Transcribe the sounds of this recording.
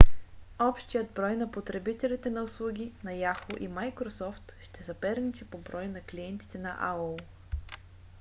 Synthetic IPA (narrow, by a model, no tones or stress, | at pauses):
ɔpʃt̪ijəd̪̚bɾɔjnɐpot̪ɾɛbit̪ɛlit̪ɛnɐʊslˠuɡʲinɐjaxoʔimajkɾosɔft̪ʃt̪ɛzɐpɛɾnit̪ipobɾɔjnɐkliɛnt̪i̥t̪ɛnɐ̰ʔa̰əlˠ